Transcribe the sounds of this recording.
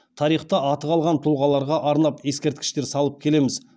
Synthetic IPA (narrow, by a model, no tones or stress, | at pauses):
t̪ʰɑɾijχt̪ɑʔɑt̪əqɑlˠʁɑnt̪ʰʊlˠʁɑlˠɑɾʁɑʔɑɾnɑpje̞skʲe̞ɾt̪̚kʲɪ̥ʃt̪e̞ɾsɑlˠəp̚kʲʰe̞le̞mɪz